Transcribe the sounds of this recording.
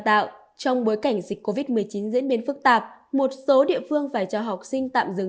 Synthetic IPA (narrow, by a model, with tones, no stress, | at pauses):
t̪a̰ː˧˨wʔ | t͡ɕɔ˧wŋ͡mɓo˨˦jka˧˩jŋ̟zï˨˩k̟ko˧vi˦˥t̚mɨ˨˩əjt͡ɕi˨˦nzḭ˧˥ənɓi˨˦nfɨ˦˥k̚t̪aː˨˩p̚mo˨˩t̚so˨˦ɗḭ˧˨əfɨ˧əŋfaː˧˩jt͡ɕɔ˧˩ɦa˨˩wk͡p̚sï˧ŋ̟t̪a̰ː˧˨mzɨ˨˩